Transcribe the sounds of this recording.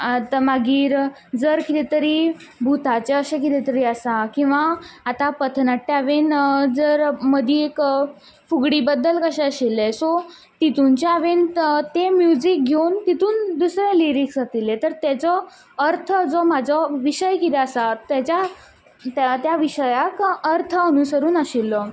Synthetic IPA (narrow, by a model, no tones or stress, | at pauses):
t̪maɡiːɾ | d͡zəɾkit̪ɛt̪əɾi | bʱut̪at͡ɕeəɕẽk̬it̪ɛt̪əɾiəsakĩw̃ʋaːt̪apət̪ʰnat̪ːeaʋend͡zəɾməd̪ʱjiek | fuɡɽiːbəd̪ːəlkəɕɛ̃əɕilːesɔ | t̪it̪unt͡ɕeaʋent̪emjud͡ʑik̚ɡʱewnt̪it̪uːnd̪usɾeliɾiksat̪ilːet̪əɾt̪jat͡sɔ | əɾt̪ʰəd͡zomad͡zʱɔʋiɕəjkit̪ɛəsat̪jat͡ɕa | t̪jaʋiɕəjakəɾt̪ʰəənusəɾuːnəɕilːɔ